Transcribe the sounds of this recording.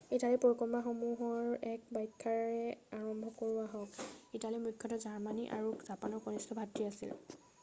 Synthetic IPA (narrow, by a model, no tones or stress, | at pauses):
italipɔɹkɔɹmaxomuɦɔɹɛk̚bajkʰːaɹɛaɹɔmbʱɔkoɹuaɦɔkitalimukʰːɔtɔzaɹmaniʔa̰ɹuzapanɔɹkɔnistʰɔbʱatɹiasḭl